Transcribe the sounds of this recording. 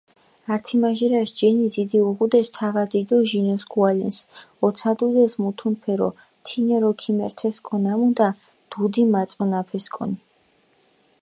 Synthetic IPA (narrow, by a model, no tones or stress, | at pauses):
aɾt̪ʰimaʒiɾaʃd͡ʒɛnid̪id̪iuʁud̪ɛst̪ʰavad̪id̪ɔʒinɔsɡualɛnsɔt̪sʰad̪ud̪ɛsmut̪ʰunpʰɛɾɔ̰ | t̪ʰinɛɾɔkʰimɛɾt̪ʰɛskʼɔnamud̪a | d̪̥ud̪imat̪sʼɔnapʰɛskʼɔ̰ni